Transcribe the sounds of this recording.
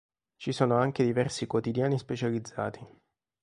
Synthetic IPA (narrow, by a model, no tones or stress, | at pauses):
t͡ʃisoːnoaŋk̟ed̪ivɛrsikwot̪id̪jaːnispet͡ʃalid̪zːaːt̪ʰi